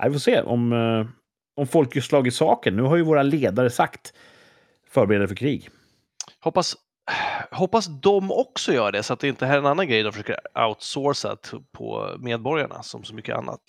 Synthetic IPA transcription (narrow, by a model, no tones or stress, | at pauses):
ʔa̰jvɪfoːseːʔɔ̰m | ɔmfɔlkjɵslɑːɡɪt̪sɑːkənːʉ̟ːɦaɾjɵvoːɾaleːd̪aɾəsakt̪ | fœːɾbɛɾɛːd̪aəfœɾkʰɾiːɡ | hɔpːas | hɔpːasd̪ɔmɔksɔjœːɾaɖɛsɔat̪̚d̪ɛɪnt̪əəɦɛːɛnanːanɡɾɛjd̪ɔmfəʂøːkəɾʔa̰ʊt̪soːsa̰pʰɔ̰meːd̪̚bɔɾja̰ɳa̰sɔ̰msɔmʏkːəʔa̰nːa̰t̪